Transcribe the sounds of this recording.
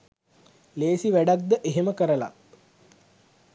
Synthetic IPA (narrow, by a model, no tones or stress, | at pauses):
leːsiʋæɖak̚d̪əʔeɦeməkəɾəla̰